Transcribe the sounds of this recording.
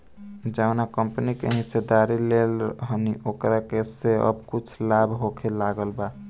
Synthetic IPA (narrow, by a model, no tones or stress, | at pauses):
d͡ʒaʊnakəmpnikeɦised̪aɾilelɦəniʔokɾakeseə̰bkut͡ʃʰlabʱɦokʰelaɡəlba